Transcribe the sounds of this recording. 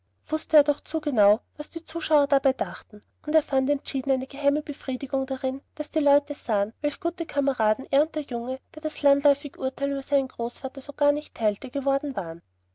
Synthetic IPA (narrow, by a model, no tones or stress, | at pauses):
v̥ʊstəeːɐdɔχt͡suːɡənaʊvasd̥iːt͡suːʃaʊɐdabaɪdaχtn̩ | ʔʊnteːɐfantɛntt͡ʃiːdn̩aɪnəɡ̥əhaɪməbəfʁ̥iːdɪɡʊŋd̥aʁɪnd̥asd̥iːlɔʏtəz̥aːənvɛlçɡ̥uːtəkʰaməʁaːdn̩ʔɛɐʁənt̚d̥eːɐjʊŋəd̥eːɐd̥aslandlɔʏfɪɡʔʊɐtʰaɪlyːbɐz̥aɪnənɡ̥ʁoːsfaːtɐzoɡ̥aːɐnɪçtʰːaɪltəɡ̥əvɔɐdn̩vaːʁən